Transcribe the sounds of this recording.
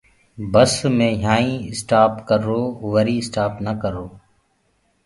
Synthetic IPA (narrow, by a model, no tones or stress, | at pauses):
bəsmẽːɦãːĩːɪsʈaːpkəɾoːʋəɾiːɪsʈaːpnəkəɾoː